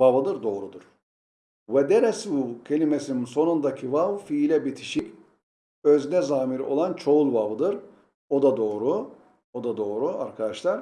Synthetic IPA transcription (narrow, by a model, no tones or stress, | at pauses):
vavɯd̪ɯɾd̪o̞ːɾud̪uɾ̥ | vɛd̪ɛɾɛsbucʰelʲimesininso̞nund̪acʰivavfilʲɛbit̪ʰi̥ʃicʲ | øznɛzaːmiɾo̞̰lˠant͡ʃʰo̞ulˠvavɯd̪ɯɾ | od̪ad̪o̞ːɾu | od̪ad̪o̞ːɾuaɾkʰad̪aʃlˠaɾ